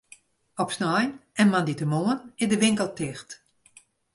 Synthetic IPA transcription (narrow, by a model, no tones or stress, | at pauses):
ɔpsnɔjnɛnmanditəmoənɪdəʋɪŋkəlˠtʰɪxt